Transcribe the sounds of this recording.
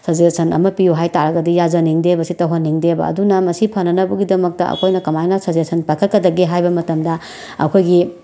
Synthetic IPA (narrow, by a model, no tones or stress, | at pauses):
sɐzesɐnɐ̰mɐpijuɦajtaɾɐɡɐdijazɐniŋdebɐsitɐwɦonːiŋdebɐ̰ɐ̰dunɐmɐsipʰɐnɐnɐbɐɡidɐmɐk̚tɐɐ̰kʰojnɐkɐmajnasɐzesɐnpajkʰɐt̚kːɐdɐɡeɦajbɐmɐtɐmdɐ | ɐ̰kʰojɡi